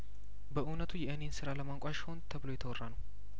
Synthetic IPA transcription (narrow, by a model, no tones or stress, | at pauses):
bəʔɨnət̪ʰujɛʔɨne̞nsɨɾaləmaŋkʷʼaʃɪ̥ho̞nt̪ʰəβloɛt̪ʰəwɔrːanəw